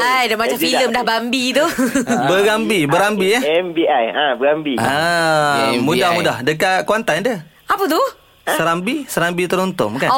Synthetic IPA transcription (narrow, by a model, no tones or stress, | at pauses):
ajdamat͡ʃamfiləmdahbambit̪ubəɡambibəɾambiaɛmbiajə̃bəɡambiə | mũdahmudahdəkat̪̚kuant̪anadə | apət̪u | səɾambisəɾambit̪əɾɔnt̪ʊ̰ŋmkan